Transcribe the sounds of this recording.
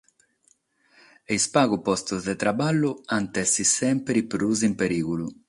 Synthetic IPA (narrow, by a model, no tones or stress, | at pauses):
eispaːɣupɔst̪uzd̪ɛt̪ɾabalːuant̪ɛsːisɛmpɾipɾuzimpeɾiːɣulu